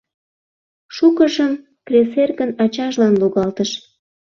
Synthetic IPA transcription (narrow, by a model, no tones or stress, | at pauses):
ʃukəʒəm | kreserɣənɑt͡ɕɑʒlɑnluɣɑlt̪əʃ